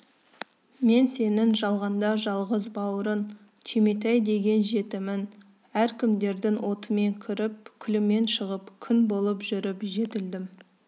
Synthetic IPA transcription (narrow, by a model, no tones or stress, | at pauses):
me̞nse̞nɪŋʒɑlˠʁɑnd̪ɑʒɑlˠʁəzbɑwəɾən | t̪ʲʰimit̪̬æjd̪e̞ɡʲe̞nʒe̞t̪ɪmɪn | æɾkʲʰɪmd̪e̞ɾd̪ɪŋwʔo̞t̪əme̞ŋkʲʰʏɾɪp̚kʲʰʏlɪme̞nʃəʁəpkʲʰʏnbo̞lˠəpʒʏɾɪpʒe̞t̪ɪld̪ɪm